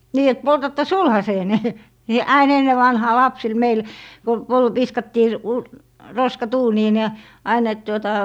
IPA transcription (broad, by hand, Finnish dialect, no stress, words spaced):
niː et poltɑtːɑ sulhɑseːne ni ɑin enːe ʋɑnhɑː lɑpsil meil ku pol ʋiskɑtːiː ʋ roskɑt uːniːn jɑ ɑin et tuotɑ